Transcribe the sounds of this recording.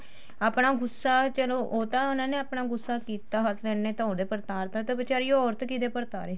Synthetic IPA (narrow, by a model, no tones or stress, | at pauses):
aːpnaːɡʊsːaːt͡ʃəloːʔoːt̪ãːʊnãːneːaːpnaːɡʊsːaːkiːt̪aːɦət̪ʰlɛːneːt̪ɔ̃õːd̪eːpəɾt̪aːɾt̪ãːt̪ebət͡ʃaːɾiːɔːɾt̪kiːd̪eːpəɾt̪aːɾeː